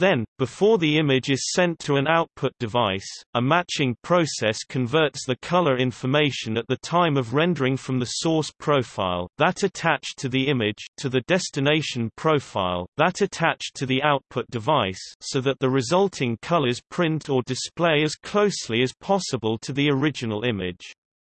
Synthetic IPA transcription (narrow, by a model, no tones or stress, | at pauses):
ðɨ̃nb̥ɨfɔɹðiɪ̃mɪd͡ʒɨz̥sɛ̃ntʰəɨ̃naʊt̚pʰʊt̚d̥ɨvaɪsəmæt͡ʃɪ̃ŋpʰɹ̥oʊsɛskʰɨ̃ɱvɜ˞tsðɨkʰʌlˠə˞ɪ̃ɱfə˞meɪʃɨ̃nɨt̪̚ðɨtʰãɪ̃mʌvɹɛ̃ndə˞ɪ̃ŋfɹʌ̃mðɨsɔɹspʰɹ̥oʊfaɪlˠðəɾɨtʰæt͡ʃtʰɨðiɪ̃mɪd̥ʒ̥tʰɨðɨdɛstɨneɪʃɨ̃n̩pʰɹ̥oʊfa̰ɪlˠðəɾɨtʰæt͡ʃtʰɨðiaʊt̚pʰʊt̚d̥ɨvaɪsoʊðət̪̚ðəɹɨzʌlˠtʰɪ̃ŋkʰʌlˠəz̥pʰɹ̥ɪ̃ntʰə˞dɨspl̥eɪɨz̥kʰl̥oʊsliɨz̥pʰɑsəbəlˠtʰɨðiə˞ɪd͡ʒɨnl̩ˠɪ̃mɪd̥ʒ̥